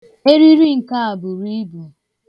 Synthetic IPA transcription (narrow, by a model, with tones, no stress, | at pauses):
e˦ɾi˦ɾi˦ŋ̩˨ka˦a˨bʊ˨ɾi˦bu˨